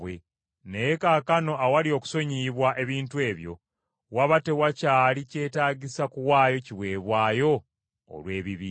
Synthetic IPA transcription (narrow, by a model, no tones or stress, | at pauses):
we | nejekakano̞ʔawalio̞ku̥so̞ɲiβwaʔe̞βiːntue̞ːβjo̞̰ | waβate̞wacaːlice̞ːtaːɟisakuwaːjo̞ciβwe̞ːβwaːjo̞̰ː | lwe̞ːβiβiː